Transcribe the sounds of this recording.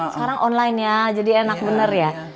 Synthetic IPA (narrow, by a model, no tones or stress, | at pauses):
sə̥kaɾaŋʔɔnlajnɲad͡ʒadienak̚bənərja